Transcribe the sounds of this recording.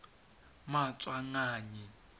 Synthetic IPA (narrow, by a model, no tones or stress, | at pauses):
mat͡sʼwaŋaːɲi